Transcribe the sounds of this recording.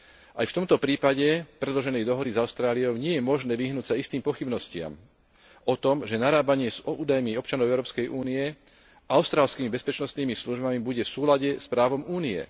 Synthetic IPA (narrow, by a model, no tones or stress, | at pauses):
ʔajft̪ɔmt̪ɔpɾiːpaɟɛpɾɛd̪lɔʒɛnɛjd̪ɔɦɔd̪izaʊst̪ɾaːliɔʊɲɪɛjɛmɔʒnɛːʋiɦnuːcsaist̪iːmpɔxibnɔscɪa̰m | ɔt̪ɔmʒɛnaɾaːbaɲɪɛuːd̪ajmiɔpt͡ʃanɔʊɛʊɾɔːpskɛjʔuːniɛ | ʔaʊst̪ɾaːlskiːmibɛspɛt͡ʃnɔst̪niːmisluʒbamibuɟɛfsuːlaɟɛspɾaːʋɔmuːniɛ̰